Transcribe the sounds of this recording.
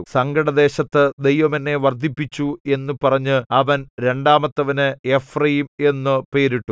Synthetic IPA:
sɐŋɡɐɽɐd̪e̞ːɕɐt̪ːɨd̪e̞jʋɐmɐnːeʋɐrd̪ʱipːit͡ɕːue̞nːupɐrɐɲːɨɐʋɐnɾe̞ɳɖaːmɐt̪ːɐʋɐnɨe̞frɐjime̞nːɨpe̞ːɾiʈːu

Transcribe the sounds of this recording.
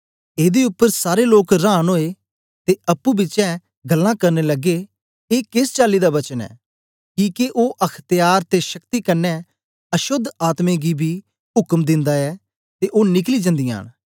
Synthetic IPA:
eːd̪eʊpːəɾsaːɾeloːkɾãːnɦoːeː | t̪eɐpːuːbɪt͡ʃɛ̃ | ɡəlːãːkɐɾneləɡe | eːkɪst͡ʃaːliːd̪aːbɐt͡ʃənɛ̰ː | kĩːkeʔoːʔɐkʰt̪jaːɾt̪eʃəkt̪iːkənːɛ̃ | əʃʊd̪ʱaːt̪mẽɡibʱiː | ɦʊkəmd̪ɪ̃nd̪aɛː | t̪eʔoːnɪkliːd͡ʒə̃nd̪ija̰ːñ

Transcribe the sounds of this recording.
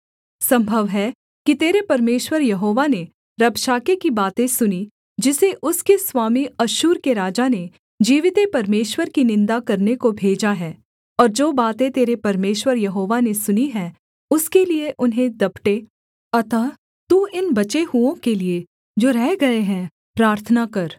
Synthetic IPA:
sɐ̃mbʱəʋɦɛ | kit̪eːɾepɐɾmeːʃwəɾjɐɦoːʋane | ɾɐbʃaːkekibaːt̪ẽsʊni | d͡ʒɪseʔʊskeswaːmiɐʃuːɾkeɾaːd͡ʒane | d͡ʒiːʋɪt̪epɐɾmeːʃwəɾkinɪ̃nd̪akɐɾnekobʱeːd͡ʒaɦɛː | ɔːɾd͡ʒoːbaːt̪ẽt̪eːɾepɐɾmeːʃwəɾjɐɦoːʋanesʊniɦɛ̃ | ʊskelieʔʊnɦẽd̪ɐbʈe | ɐt̪aː | t̪uːɪnbɐt͡ʃeɦuõkelie | d͡ʒoːɾɛɦɡɐeɦɛ̃ː | pɾaːɾt̪ʰənakɐɾ

